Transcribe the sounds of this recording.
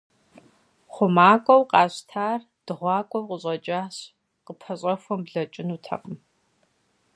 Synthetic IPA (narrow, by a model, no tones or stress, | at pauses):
χʷʊmaːkʷʼɔwqɑːɕtʰaːr | d̥ɨʁʷɑːkʷʼɔwqʼəɕʼɐt͡ʃʼaːɕ | qəpʰɐɕʼɐxʷɔmbɮɐt͡ʃʼɪnuːtʰɐ̰qəm